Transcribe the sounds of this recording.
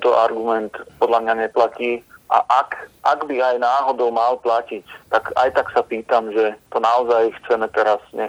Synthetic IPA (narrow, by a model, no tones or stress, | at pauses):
t̪ɔʔaɾɡumɛnt̪pɔd̪lamɲaɲɛplaciːʔa̰ʔakʔaɡbiajnaːɦɔd̪ɔʊmalplacict̪aka̰jt̪aksapiːt̪amʒɛt̪ɔnaɔzajxt͡sɛmɛt̪ɛɾazɲɛ